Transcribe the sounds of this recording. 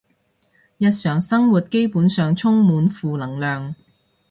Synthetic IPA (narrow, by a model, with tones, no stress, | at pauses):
jɐ˧t̚sœː˨ŋsɐ˥ŋwuː˨˩t̚ke˥jpuː˨˥nsœː˨ŋt͡sʰʊ˥ŋmuː˨˧nfuː˨lɐ˨˩ŋlœː˨˧ŋ